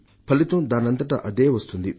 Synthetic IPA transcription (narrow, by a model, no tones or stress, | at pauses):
pʰɐlit̪od̪anɐnt̪əʈa̰ʔɐd̪ewɐst̪ʰund̪i